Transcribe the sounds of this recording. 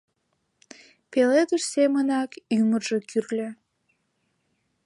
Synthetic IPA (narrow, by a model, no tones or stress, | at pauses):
peled̪əʃsemənɑkymərʒekyrlʲe